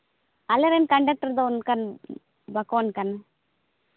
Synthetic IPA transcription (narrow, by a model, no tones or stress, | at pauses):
ɐleɾenkɐɳɖɐk̚ʈɐɾd̪onkɐn | bɐkoːnkɐn